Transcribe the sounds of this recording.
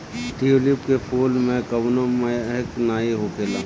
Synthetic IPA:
ʈiːolɪpkepʰoːlmẽkɐʋnoməɦknaːiɦoːkeːlãː

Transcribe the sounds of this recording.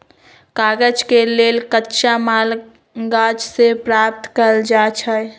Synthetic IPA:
kaɡəd͡ʒkelelkətːʃamal | ɡad͡ʒsepɾap̚t̪kəɾld͡ʒat͡ʃʰəj

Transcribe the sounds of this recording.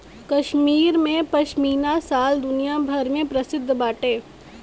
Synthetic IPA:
kɐʃmiːɾmẽpɐʃmiːnasaːld̪ʊnijabʱɐɾmẽpɾɐsɪd̪ʱːbaːʈeː

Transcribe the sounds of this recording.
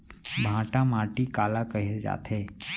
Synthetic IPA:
bʱãːʈãmaʈikaːlakəɦed͡ʒa̰ːt̪ʰe

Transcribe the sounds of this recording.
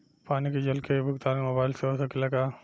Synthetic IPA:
paːniked͡ʒɐlkebʱʊɡt̪aːnemobaːɪlseosakelɐɡaː

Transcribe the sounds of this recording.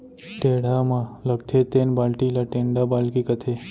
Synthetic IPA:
ʈeɽ̤amãləɡt̪ʰet̪enbalʈilaʈeɳɖabalkikət̪ʰe

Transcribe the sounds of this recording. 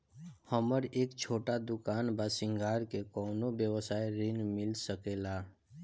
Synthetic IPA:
həməɾeːkt͡ʃʰoːʈad̪ʊkaːnbaːsɪ̃ŋɡʱaːɾkekɔːnobjəwəsaːeɾɪnmɪlsəkeːlaː

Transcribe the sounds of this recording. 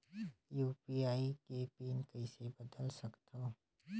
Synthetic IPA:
juːpiaːikepiːnkɐɪsebɐd̪əlsɐkt̪oː

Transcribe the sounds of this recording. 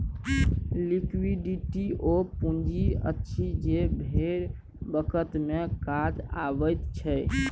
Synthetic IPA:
likwiɖiʈiʔopũnd͡ʒiə̰tːʃʰid͡ʒebʱeɾ | bəkʰət̪mekad͡ʒa̰bəjt̪t͡ʃʰɛ

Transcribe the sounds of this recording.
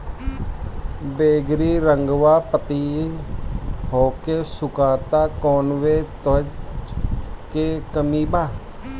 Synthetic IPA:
beːɡɾiːɾəŋɡʋaːpət̪iː | ɦoːkeːsʊkaːt̪aːkɔːnʋeːt̪əd͡ʒ | keːkəmiːbaː

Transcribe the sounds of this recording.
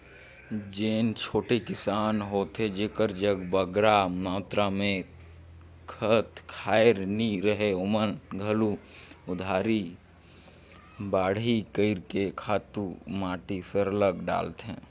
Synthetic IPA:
d͡ʒeːnt͡ʃʰoːʈekɪsaːnɦoːt̪ɦed͡ʒeːkəɾd͡ʒəɡbəɡɾamaːt̪ɾamẽ | kʰət̪kʰaːɪɾniɾəɦeʊmənɡʱəlu | ʊd̪ʱaːɾi | baːɽ̤ikəɪɾkekʰaːt̪umaːʈisəɾələɡɖa̰ːlt̪ɦɛ̰̃ː

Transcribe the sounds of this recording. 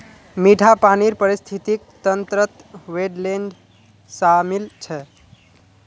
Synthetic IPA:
miʈʰapaniɾpəɾist̪ʰit̪ik̚t̪ənt̪ɾət̪ʋeɖleɳɖ | samilt͡ʃʰɛ

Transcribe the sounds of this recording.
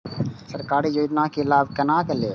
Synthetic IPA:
səɾkaːɾiːd͡ʒoːɪd̪nãːkelaːbkənãːkəleː

